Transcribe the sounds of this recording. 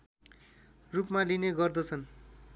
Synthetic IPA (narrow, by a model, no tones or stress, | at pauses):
rupmalineɡʌrd̪ʌt͡sʰʌn